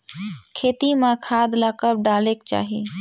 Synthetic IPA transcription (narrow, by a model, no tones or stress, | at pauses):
kʰeːt̪imãkʰaːd̪lakəp̚ɖaːleːkt͡ʃa̰ːɦḭː